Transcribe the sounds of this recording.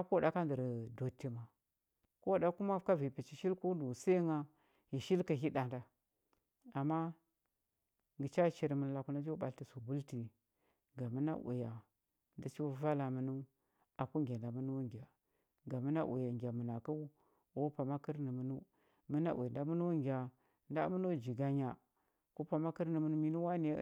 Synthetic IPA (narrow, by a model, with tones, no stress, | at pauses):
a˦ko˦˨da˨˦ka˦ndə˨ɾdo˨tːi˦ma˨ | ko˦˨ɗa˦ku˦ma˦ka˦vi˨pi˨t͡ʃi˨ʃi˦lku˦du˨sa˦ŋa˦ | ji˨ʃi˦lkə˨ɦi˦da˨nda˨ | a˨mːa˦ | ŋɡi˨t͡ʃa˦t͡ʃi˨ɾmə˨n˨la˨ku˦na˦d͡ʒi˦ɓa˨lti˨su˨bu˦lti˨ | ɡa˨mə˦na̰˦ʔṵ˨ja˨ | nda˨t͡ʃi˦wa˦va˦la˨mə˨nu˦ | a˨ku˦ŋɡʲa˨nda˨mu˦nu˦wa˦ŋɡʲa˨ | ɡa˨mə˦na̰˦ʔṵ˨ja˨ŋɡʲa˨mə˨na˨ka˦u˦˨˦ | pa˨ma˦kə˦ɾnə˨mə˨nu˦ | mə˦na̰˦ʔḛ˨nda˨˦m˦nu˦wa˦ŋɡʲa˨ | nda̰˦mə˦no˦˨d͡ʒi˨ɡa˦ɲa˨ | ku˦pa˨ma˦kə˦ɾnə˨mu˨nu˦mi˦nu˦wa˦ne˨˦